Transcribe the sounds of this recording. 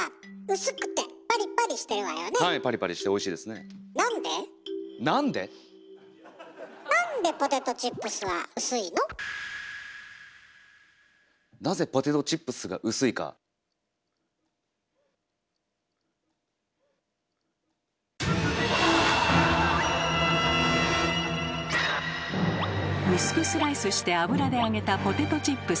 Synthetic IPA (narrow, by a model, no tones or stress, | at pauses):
aɯ̟sɨkɯ̟̥t̪e̞paɾʲipaɾʲiɕi̥t̪e̞ɾɯ̟βaejanehaipaɾʲipaɾʲiɕi̥t̪eo̞iɕiːd̪e̞sɨnenãnd̪e̞ | nãnd̪e̞ | nãnd̪e̞po̞t̪e̞t̪o̞t͡ɕipːɯ̟sɨβa̰ɯ̟sɨino̞ | naze̞po̞t̪e̞t̪o̞t͡ɕipːɯ̟sɨɡa̰ʔɯ̟sɨika̰ | misɨ̥kɯ̟sɨɾaisɨɕi̥t̪e̞abɯ̟ɾad̪e̞aɡe̞t̪apo̞t̪e̞t̪o̞t͡ɕipːɯ̟